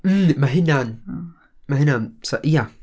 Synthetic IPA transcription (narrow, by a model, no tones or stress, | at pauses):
m̩maɦɪnan | maɦɪnansoʔja